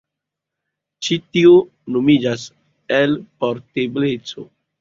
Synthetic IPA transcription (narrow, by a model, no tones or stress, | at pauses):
t͡ʃitio | nomid͡ʒas | elpoɾteblet͡so